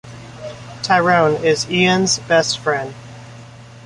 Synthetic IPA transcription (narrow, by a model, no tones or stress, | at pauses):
tʰaɪɹõʊ̃nɪziɨ̃nzbɛstfɹɛ̃nd̥